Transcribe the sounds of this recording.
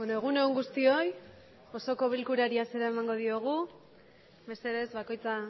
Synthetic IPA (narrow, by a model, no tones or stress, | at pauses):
benoeɣ̞une̞uŋɡust̪io̞j | o̞so̞ko̞β̞ilkuɾaɾiase̞ɾae̞maŋɡo̞ðio̞ɣ̞u | me̞se̞ðezβako̞jt͡sa